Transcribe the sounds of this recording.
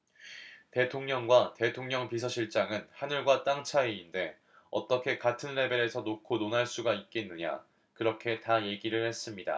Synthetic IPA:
te̞tʰoŋɲʌŋɡwate̞tʰoŋɲʌŋpis̬ʰʌɕʰiɭt͡ɕ͈aŋɯnhanɯɭɡwat͈aŋt͡ɕʰaiinde̞ | ʌ̰t͈ʌkʰe̞katʰɯnɾe̞be̞ɾe̞sʰʌnokʰononaɭs͈uɡait̚k͈e̞nːɯɲa̰ | kɯɾʌkʰe̞taje̞ɡiɾɯɭhe̞s͈ɯmɲida̰

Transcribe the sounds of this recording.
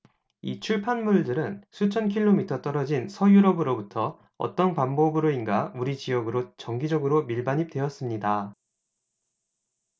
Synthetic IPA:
it͡ɕʰuɭpʰanmuɭdɯɾɯnsʰut͡ɕʰʌnkʰiɭːomitʰʌt͈ʌɾʌd͡ʑinsʰʌjuɾʌbɯɾobutʰʌ̰ː | t͈ʌnpambʌbɯɾoinɡauɾit͡ɕijʌɡɯɾot͡ɕʌŋɡid͡ʑʌɡɯɾomiɭbaɲip̚t͈we̞ʌs͈ɯmɲida

